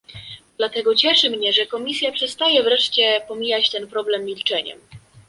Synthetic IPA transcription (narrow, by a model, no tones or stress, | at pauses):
d̪lat̪ɛɡɔt͡ɕɛʂɘmɲɛʐɛkɔmʲisʲjapʂɛst̪ajɛvɾɛʂt͡ɕɛpɔmʲijat͡ɕt̪ɛnpɾɔblɛmːʲilt͡ʂɛɲɛ̰m